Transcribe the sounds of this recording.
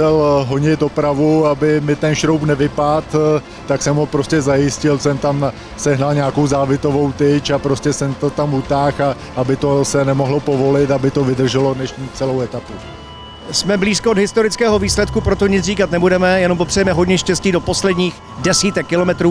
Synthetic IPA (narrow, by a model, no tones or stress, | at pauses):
ɛlɦoɲɪt̪̚do̞pɾavuabɪmɪt̪ɛnʃɾowpnɛvɪpat̪ː | aksɛmɦopɾo̞scɛzajɪscɪlsɛmt̪am | sɛɦnalɲaːko̞wzaːvɪt̪o̞vo̞wt̪ɪt͡ʃapɾo̞scɛsɛmt̪ot̪amut̪aːxa | abɪt̪o̞sɛnɛmo̞ɦlopo̞vo̞lɪt̪abɪt̪ovɪd̪r̩ʒɛlo̞dnɛʃɲiːt͡sɛlowɛt̪apu | smɛbliːskoodɦɪst̪o̞ɾɪt͡skɛːɦo̞viːslɛt̪̚kupɾo̞t̪o̞ɲɪt͡sriːkat̪nɛbudɛmɛjɛnompo̞pr̝̥ɛjɛmɛɦo̞dɲɛʃcɛsciːdo̞po̞slɛdɲiːx | dɛsiːt̪ɛkːɪlo̞mɛt̪ɾuː